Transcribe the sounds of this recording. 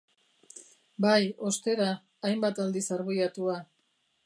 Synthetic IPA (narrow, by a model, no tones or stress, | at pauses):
bajo̞st̪e̞ɾaː | jmbat̪ald̪isaɾβijat̪ua